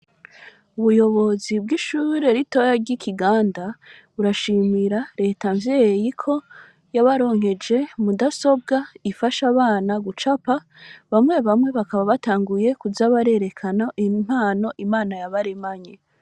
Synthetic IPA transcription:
uβujo̞βo̞zib̚ɡiʃuːɾe̞ɾito̞jaɾɟikʰiɡaːnda | uɾaʃimiɾaɾe̞ːtaɱvjejikʰo̞ | jaβaɾo̞ːŋhe̞d͡ʒe̞mudaso̞b̚ɡaifaʃaβaːnaɡut͡ʃapa | βamŋe̞βamŋe̞βakaβaβataːŋɡuje̞kuzaβaɾe̞ɾe̞kʰanaʔim̥haːno̞ʔimaːnajaβaɾemaɲe

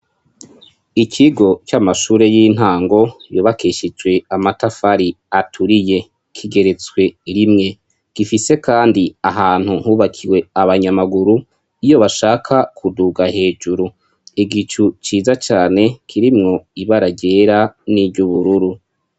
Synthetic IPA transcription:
ikʰiɡo̞t͡ʃamaʃuːɾe̞jiːn̥haːŋɡo̞joβakʰeːʃid͡ʒɡwe̞amatafaɾi | atʰuɾije̞ | kʰiɡe̞ɾe̞t͡swe̞ɾimŋe̞ | ɡ̥ifise̞kaːndiaɦaːn̥huhuːβakʰiwe̞aβaɲamaɡuɾu | ijo̞βaʃaːkʰakʰuduɡaɦe̞ːd͡ʒuɾu | iɡit͡ʃut͡ʃiːzat͡ʃaːne̞kʰiɾimŋo̞iβaɾaɟe̞ːɾaniɟuβuɾuɾu

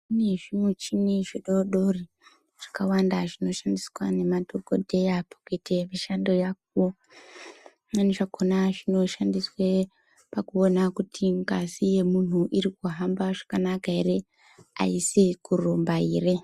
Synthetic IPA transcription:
ineʐimut͡ʃiniʐiɗo̞ɗo̞ri | ʐ̥akawandaʐino̞ʃandiswane̞matoɡo̰dʱe̞japʰoketemiʃando̞jak̚u | naneʐakonaʐino̞ʃandiswe | pakuonakutʰiŋkazije̞mun̤uʔiɾikuɦambaʐakanakaeɾe | a̰isikurombaiːre

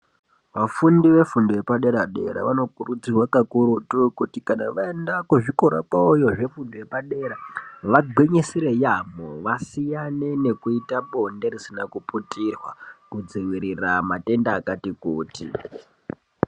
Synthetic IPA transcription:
ʋafundiʋe̞fundojepaɗe̞ɾaɗe̞̰ɾa̰ʋano̞kurud͡zirwakakuɾutukutikanaʋae̞ndakuʐikoɾa̰paujo̞ʐe̞fundoje̞paɗe̞ɾaʋaɡʱweɲesiɾe̞jamoʋasijanene̞kuitaɓo̞nderisinakuputirwa̰kud͡ziʋiɾiramate̞ndaːkatikuːtḭ

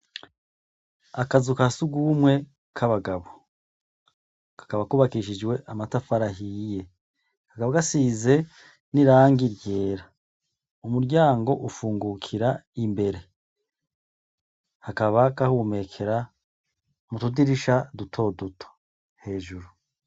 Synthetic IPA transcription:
akazukasuɡumwe̞ | kʰaβaɡaβo | kḁkaβakuβakiʃid͡ʒwe̞ʔamatafaɾaɦije̞ | hakaβakasiːze̞ | niɾaːŋɡiɾje̞ːɾa | umuɾɟaːŋɡo̞ʔufuːŋɡukʰiɾaimbe̞ɾe̞ | hakaβakahume̞kʰe̞ɾa | mutudiɾiʃadutʰo̞dutʰo̥ | he̞ːʒuɾu

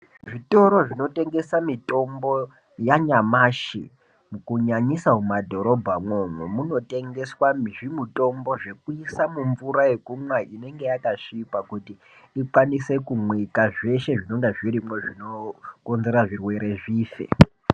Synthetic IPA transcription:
ʐito̞ɾo̞ʐino̞te̞ŋɡe̞samito̞mbo̞ | jaɲamaʃḭ | mukuɲaɲisaumadʱo̞ɾo̞bʱamwo̞mwemuno̞te̞ŋɡe̞swamiʐimuto̞mbo̞ʐe̞kuisamuɱvuɾaje̞kumwaʔine̞ŋɡe̞jakaʂiːpakutiː | kwanise̞kumwikaʐe̞ʃe̞ʐino̞ŋɡeʐiɾimweʐino̞ko̞nze̞ɾaʐirwe̞ɾe̞ʐiːfe̞̰

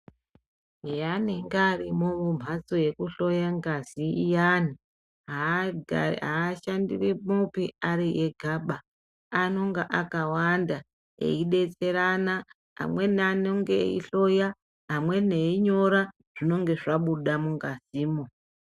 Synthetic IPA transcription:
ijaneŋɡarimomum̤at͡soje̞kuɬo̞jaŋɡaziijani | ɦa | ɦaːʃandḭrimupiaɾijeɡʱaɓaː | no̞ŋɡaʔakawanda | ḛiɗe̞t͡se̞ɾana | ɦa̰mwe̞nanoŋɡḛḭɬo̞ja | ɦamwe̞neiɲo̞ɾa | ʐ̥ino̞ŋɡe̞ʐaɓuɗamuŋɡaziːmo

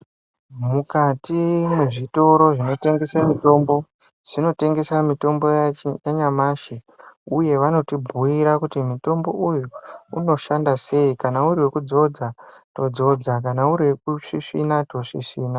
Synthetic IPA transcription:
mukatimwe̞ʐito̞ɾo̞ʐino̞te̞ŋɡe̞samito̞mbo̞ | ʐ̥ino̞te̞ŋɡe̞samito̞mbo̞jaɲamaʃe | uje̞ʋano̞tibʱuiɾakutimito̞mbo̞ʔujuuno̞ʃandase̞ikanauriwe̞kud͡zo̞d͡zato̞d͡zo̞d͡zakanauɾiwe̞kuʂiʂinato̞ʂiʂiːna

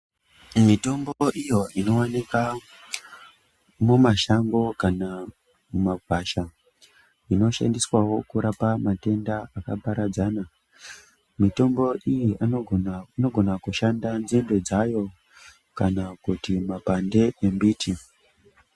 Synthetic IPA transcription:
mito̞mboʔijo̞ino̞wanika | mumaʃaŋɡo̞kana | mumaɡʱwaʃa | ino̞ʃa̰ndiswawo̞kuɾapamate̞ndaakapaɾad͡zana | mito̞mbo̞ʔijiʔa | no̞ɡʱo̞nakuʃandanzimbe̞d͡zajo̞ | kanakutimapande̞embiːtʰi

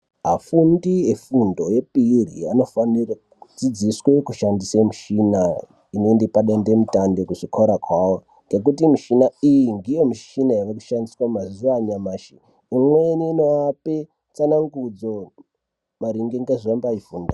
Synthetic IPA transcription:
ɦafundiefundo̞je̞piːrḭano̞fanira | ud͡zid͡ziswe̞kuʃandisemuʃina | ineendepaɗandemutando̞kuʐikoɾakwawo | ŋɡe̞k̬utimiʃinaijiŋdijo̞miʃinajakaku̥ʃandiswamazuaɲamaːʃi | imweniːnoape | t͡sanaŋɡud͡zo | maɾiŋɡeŋɡeʐombaifuːnda

